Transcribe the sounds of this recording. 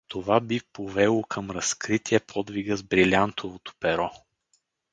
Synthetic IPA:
t̪ovabipovɛlˠokʰəmɾɐskɾit̪ʰiɛpʰɔd̪viɡəzbɾilʲant̪ovot̪o̥pɛɾɔ

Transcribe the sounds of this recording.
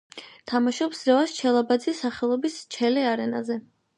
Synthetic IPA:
t̪ʰamaʃɔpsɾɛvaʃt͡ʃʰɛlˠabad̪zisaχɛlˠɔbist͡ʃʰɛliaɾɛna̰zɛ

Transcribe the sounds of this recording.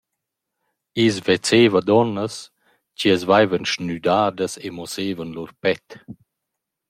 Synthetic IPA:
isvet͡seːvəd̪ɔnːəs | ciəzvajvənʃnyd̪aːd̪əsemɔseːvənluɾpɛt̪

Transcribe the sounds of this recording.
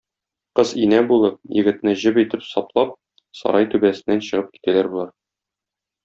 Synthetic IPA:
qɤzinæbulˠɤp̚jɘ̆ɡɘ̆t̪nɘʑɘbit̪ɘpsɒplˠɑp̚ | sɒ̰ɾɑjt̪ʉbæsɘ̆nːænɕɤ̆ʁɤp̚ki̥t̪ælæɾbulˠɑɾ

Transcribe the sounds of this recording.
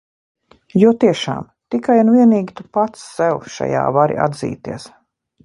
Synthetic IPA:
juɔt̪iɛʃa̰ːm | t̪ikajanvʲiɛniːɡʲit̪upat̪sːɛwʃa̰ja̰ːvaɾḭʔa̰d̪zḭːt̪ḭɛs

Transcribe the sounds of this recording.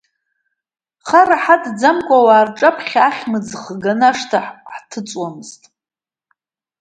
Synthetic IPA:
χaraħadd͡zamkʷʼawaːrʈ͡ʂʼapʰχʲaχʲmɨd͡zχɡanaʂtʰaħħtʰɨt͡sʼwamɨztʼ

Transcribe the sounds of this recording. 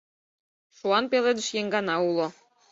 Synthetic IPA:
ʃuɑnpeled̪ə̆ʃjeŋɡɑnɑulˠŏ

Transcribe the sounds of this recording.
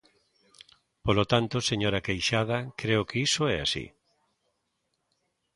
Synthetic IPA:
polot̪ant̪oseɲoɾakejʃað̞ɐkɾeʊkeisoɛa̰sḭ

